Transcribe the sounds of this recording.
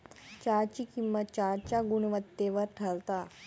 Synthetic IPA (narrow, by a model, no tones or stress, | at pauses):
t͡ɕaɾt͡ɕiːkimʋət͡ɕaɾt͡ɕjaɡuɳʋət̪ːeʋəɾʈʰəlt̪a